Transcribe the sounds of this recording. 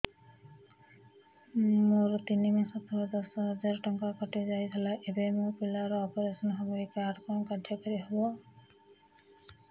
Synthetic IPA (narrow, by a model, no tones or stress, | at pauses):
moɾt̪inimasɔt̪ʰɔbd̪ɔsɔɦɔd͡ʒaɾʈɔŋkakɔʈid͡ʒajt̪ʰɔlaʔebemopilaɾɔpeɾesɔnɦɔboikaɾɖkɔnkadʱɔkɔɾiɦobɔ